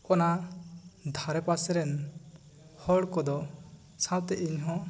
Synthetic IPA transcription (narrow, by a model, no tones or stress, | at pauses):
ɔna | d̪ʱaɾɛpasɛɾɛn | hɔɽkɔd̪ɔ | sawt̪ɛʔiɲɦɔ̃